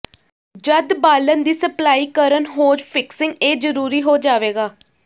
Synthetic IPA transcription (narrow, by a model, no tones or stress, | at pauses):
d͡ʒəd̪baːlənd̪iːsəplaːiːkəɾənɦoːd͡ʒpʰɪksɪ̃ŋɡeːzəɾuːɾiːɦoːd͡ʒaːʋeːɡaː